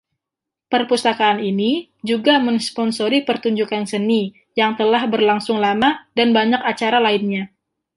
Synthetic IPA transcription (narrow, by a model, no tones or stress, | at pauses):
pərpust̪akaːnini | d͡ʒuɡamənspɔnsoɾipərt̪uɲd͡ʒukansəni | jaŋt̪əlahbərlaŋsʊŋlamadanbaɲakat͡ʃaɾalaɪnɲa